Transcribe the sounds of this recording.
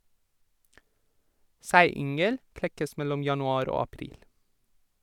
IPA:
ˈsæɪˌʏŋəl ˈklɛkəs ˈmɛlɔm ˌjɑnʊˈɑːɾ ˈoː ɑˈpɾiːl

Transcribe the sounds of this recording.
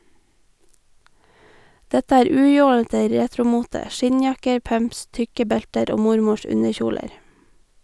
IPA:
ˈdɛtə ˈæːɾ ˈʉːˌjoːlətə ˈɾeːtɾʊˌmuːtə ˈʃɪɲˌjɑkəɾ ˈpœmps ˈtʏkə ˈbɛltəɾ ˈoː ˈmʊɾmʊʃ ˈʉnəˌçuːləɾ

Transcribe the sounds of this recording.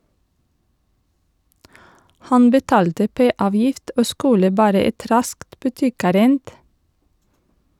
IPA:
ˈhɑn bəˈtɑːltə ˈpeː ˈɑːʋjɪft ˈoː ˈskʉlə ˈbɑːɾə ˈɛt ˈɾɑskt bʉˈtɪˌkæːɾənd

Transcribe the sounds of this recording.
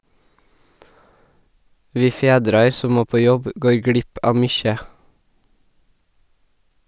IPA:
ˈʋiː ˈfeːdɾɑɾ ˈsɔ ˈmoː ˈpoː ˈjɔb ə ˈɡoːɹ ˈɡɽɪp ˈɑːʋ ˈmʏçə

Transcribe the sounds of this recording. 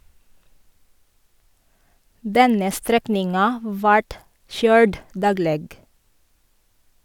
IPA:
ˈdɛnə ˈstɾɛknɪŋɑ ˈʋɑʈ ˈʃœʏɹd ˈdɑːɡleːɡ

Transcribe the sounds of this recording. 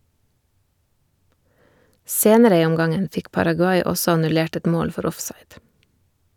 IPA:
ˈseːnəɾə ˈiː ˈɔmˌɡɑŋən ˈfɪk pɑɾɑɡʉˈɑɪ ˈɔsɔ ɑnʉˈleːʈ ˈɛt ˈmoːl ˈfɔɾ ˈɔfsɑɪd

